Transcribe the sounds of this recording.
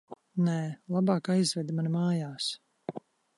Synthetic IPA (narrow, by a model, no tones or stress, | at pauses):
nɛlˠabɑːkajzvɛd̪manmaːjaːs